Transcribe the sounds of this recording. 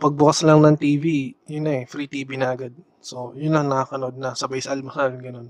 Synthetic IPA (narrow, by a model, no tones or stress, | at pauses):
pɐɡ̚bʊkaslɐŋnɐŋt̪iːvijʊnːɐɛfɾiːt̪iːbinɐʔɐɡad̪̚ | so̞jʊnlɐŋnɐakɐnoʔod̪̚nɐsɐbɐjsalmɐsalɡɐno̞n